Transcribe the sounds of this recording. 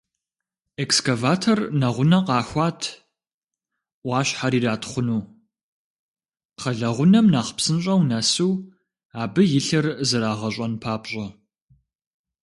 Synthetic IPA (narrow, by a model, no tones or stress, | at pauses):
ekskɐvaːtʰornɐʁʷʊnɐqɑːxʷaːtʰ | ʔʷɑːɕħaɾiːraːtʰχʷʊnuː | qɐɮɐʁʷʊnɐmnaːχə̥psɨnɕʼɐwnɐsuw | aːbɨjɪɬɨrzɨɾaːʁɐɕʷʼɐnpʰaːpʼɕʼɐ